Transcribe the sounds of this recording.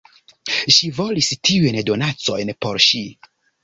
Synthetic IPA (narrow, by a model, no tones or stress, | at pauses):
ʃivo̞listiujndo̞nat͡so̞jnpo̞ɾʃi